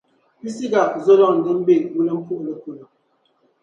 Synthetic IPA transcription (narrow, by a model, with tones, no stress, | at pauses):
pi˦si˦ɡa˨p̚zo˦lɔ˦ŋŋ̩˨ɡə˦m̩˦be˦˨ŋwu˦lə˦m̩˦pu˦ʔlə˨ku˨nə˨